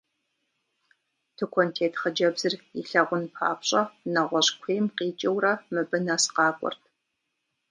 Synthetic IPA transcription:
tʰɨkʷʰɔntʰeːtʰχɐd͡ʒɐbzɨriɬɐʁʷʊnpʰa̰ːpʰɕʼɐnɐʁʷɔɕkʷʰeːjmqiːt͡ʃʼɐwrɐmɨbɨnɐsqɑːkʷʼɔ̰rtʰ

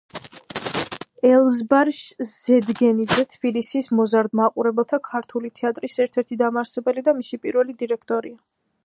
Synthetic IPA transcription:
ɛlˠzbaɾʃz̥ɛd̪ɡɛnid̪zɛt̪ʰb̥ilisismɔzaɾd̪maqʼuɾɛbɛlˠt̪ʰakʰaɾt̪ʰulit̪ʰɛat̪ʼɾisɛɾt̪ʰɛɾt̪ʰid̪amaɾsɛbɛlid̪amisipʼiɾvɛlid̪iɾɛkʰt̪ʼɔɾia

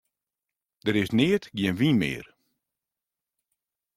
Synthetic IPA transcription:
d̥əɾɪsnɪːətɡjɪnʋinmɪ̰ːr

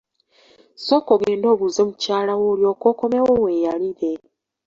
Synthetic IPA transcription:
so̞koɡe̞ːndo̞ːβuzemucaːlawoːljo̞ːko̞ːko̞mewowe̞ːjaliɾe̞

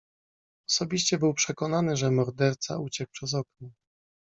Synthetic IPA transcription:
ɔsɔbʲiɕt͡ɕɛbɘwpʂɛkɔnanɘʐɛmɔɾd̪ɛɾt̪sa̰ut͡ɕɛk̚pʂɛzɔknɔ

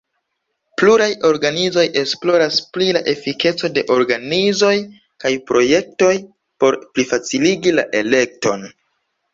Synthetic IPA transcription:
pluɾajo̞ɾɡanizo̞jʔe̞splo̞ɾasplila̰ʔe̞fike̞t͡so̞de̞ʔo̞ɾɡanizo̞j | kajpɾo̞je̞k̚to̞j | po̞ɾplifat͡siliɡila̰ʔe̞le̞k̚to̞n

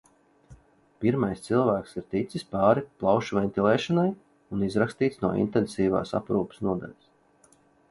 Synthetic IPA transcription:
piɾmajst̪silˠvæːksiɾt̪it̪sispaːɾiplˠawʃuvʲɛnʲt̪ʲilˠɛːʃɔnaj | unizɾakst̪iːt̪snuɔʔḭnt̪ɛnsiːva̰ːsa̰pɾuːpsnuɔd̪a̰lʲas

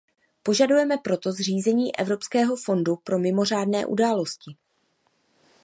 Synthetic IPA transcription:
po̞ʒadujɛmɛpɾo̞t̪o̞zr̝iːzɛɲiːʔɛ̰vɾo̞pskɛːɦo̞fo̞ndupɾo̞mɪmo̞r̝aːdnɛːʔṵdaːlo̞scɪ

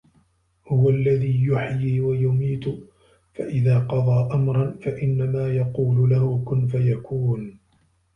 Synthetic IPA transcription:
hʊwalːaðiːjʊħjiːwajʊmiːt̪ʊ | faʔɪðaːqɑðˤɑːʔamɾˤɑnfaʔɪnːamaːjɑquːlʊlahʊkʊnfajakʰuːn

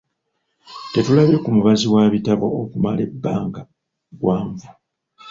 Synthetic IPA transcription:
te̞tulaβe̞kumuβaziwaβitaβo̞ːkumale̞bːaːŋɡa | ɡwaːɱvu

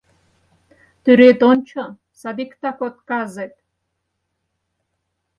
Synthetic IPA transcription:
d̪̥yɾet̪ʼont͡ʃʰɐ | sad̪ikʰt̪ʰakʷotkʼazet̪ʼ

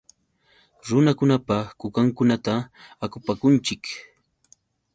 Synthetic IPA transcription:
ɾʊnakʊnapakʊkaŋkʊnat̪aakʊpakʊnt͡ʃɪk

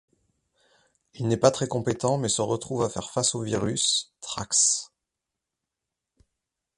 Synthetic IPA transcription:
ilnɛpat̪χɛkɔ̃pet̪ɑ̃mɛsəʁət̪χuvafɛ̰ʁfasoviʁyst̪χaks

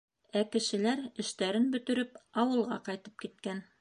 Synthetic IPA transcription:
ækɘ̆ʃɘ̆læɾɘ̆ʃt̪æɾɘnbɵ̆t̪ɵ̆ɾɘpɑwɤ̆lˠʁɑqɑjt̪ɤ̥p̚kit̪̚kæn

